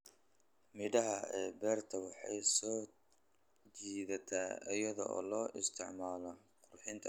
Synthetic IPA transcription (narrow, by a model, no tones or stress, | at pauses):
mɪɽɐɦɐɛːbɛːrt̪ʰɐwɑħɑ̰jsɔː | d͡ʒiːðɐt̪ʰaːɪjɐðɔ̰ʔɔ̰ːlɔːʔɪst̪ʰɪʕmaːlɔ | qʊrħɪnt̪ʰɐ